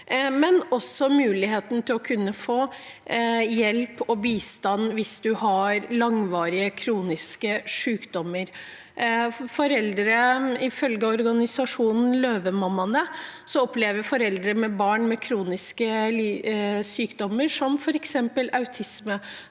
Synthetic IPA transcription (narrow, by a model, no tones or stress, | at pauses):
mɛnɔsːɔmʉːlɪɦeːt̪n̩t̪ʰɪlɔkʰʉnːəfoː | jɛlpɔbiːst̪ɑnʋɪsd̪ʉhɑɾlɑŋʋɑːɾɪəkʰɾuːnɪskəʂʉːkd̪ɔmːəɾ | fɔɾɛld̪ɾəɪfœlɡəɔɾɡɑnɪsɑʂuːnn̩løːʋəmɑmːɑnəsɔɔpleːʋəɾfɔɾɛld̪ɾəmɛbɑːɳmɛkʰɾuːnɪskəlisyːkd̪ɔmːəʂɔmfɔɾɛksɛmpəlʔɑʉt̪ʰɪsmə